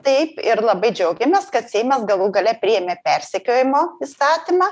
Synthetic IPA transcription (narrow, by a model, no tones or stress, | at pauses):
t̪ɐɪpɪɾlˠɐbɐɪd͡ʒʲɛʊɡʲɛmʲeːskɐt̪sʲeɪmʲɐsɡɐlˠuːɡɐlʲɛpʲɾʲɪjɛmʲeːpʲɛɾʲsʲɛkʲoːjɪmoːiːst̪ɑːt̪ʲimɑː